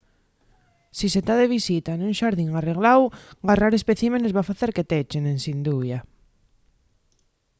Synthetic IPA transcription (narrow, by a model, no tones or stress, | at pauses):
siset̪aðeβ̞isit̪anũŋʃaɾðiŋareɣlawɡaraɾespeθimenezβafaθeɾket̪et͡ʃenẽŋsind̪uβja